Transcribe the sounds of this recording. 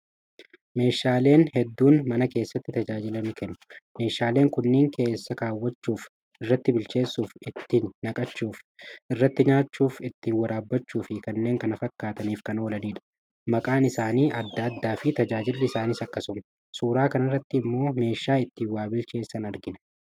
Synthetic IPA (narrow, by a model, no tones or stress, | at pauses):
me̞ːʃːaːle̞ːnhɛd̪ːuːnmɐnɐke̞ːsːɐt̪ːɪt̪ɐd͡ʒaːd͡ʒɪlɐmɪkɛnːʊ̥me̞ːʃaːle̞ːŋkʊnːɪŋkʰe̞ːsːɐkaːwːɐt͡ʃːuːf | ɪrːɐt̪ːɪbɪlt͡ʃe̞ːsːuːfɪt̪ːiːnːɐkʼɐt͡ʃːuːfɪrːɐt̪ːɪɲaːt͡ʃːuːfɪt̪ːiːnwɐɾaːbːɐt͡ʃːuːfɪkɐnːe̞ːŋkɐnɐfɐkːaːt̪ɐniːfkɐnoːlɐniːᶑɐ̥ | mɐkʼaːnɪsaːniːʔɐd̪ːɐːd̪ːaːfɪt̪ɐd͡ʒaːd͡ʒɪlːɪɪsaːnɪsɐkːɐsʊm | suːɾaːkɐnɐrːɐt̪ːɪːmːo̞ːme̞ːʃːaːɪt̪ːiːwaːbɪlt͡ʃe̞ːsːɐnɐɾɡɪnɐ̥